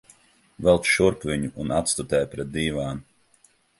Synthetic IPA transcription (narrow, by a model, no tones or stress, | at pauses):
vɛlˠt̪ʃuɾpvʲiɲuʔːnat̪st̪ut̪ɛːjpɾɛt̪̚d̪iːvaːn